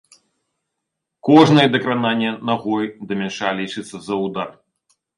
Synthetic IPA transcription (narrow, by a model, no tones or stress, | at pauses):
kɔʐnɐjɛd̪ɐkɾananʲːɛnaɣɔjd̪ɐmʲɛnʂalʲit͡ʂɨt̪sːɐzɐwd̪ar